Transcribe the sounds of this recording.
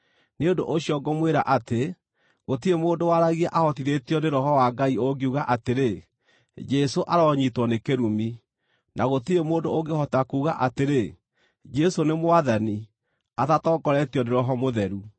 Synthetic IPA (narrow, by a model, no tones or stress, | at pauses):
neondoʔoɕiɔɡɔmweɾaʔate | ɣotiɾemoːndowaɾaɣiɛʔahɔtiðetijɔneɾɔhɔwaɡaioɡeuɣaʔateɾe | d͡ʒɛsoʔaɾɔɲitwɔnekeɾumi | nʔaɣotiɾemoːndooɡehɔtakuːɣaʔateɾe | d͡ʒɛsonemoaðani | aðatɔːɡɔɾɛtjɔneɾɔɦɔmoðɛɾu